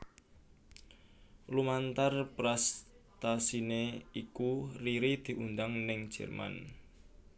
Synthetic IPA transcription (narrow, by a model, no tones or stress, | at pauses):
lumant̪arpɾast̪asineikuriɾid̪̥i̤ʔund̪aŋnɪŋ̥ʒ̥ɛ̤̰rma̰n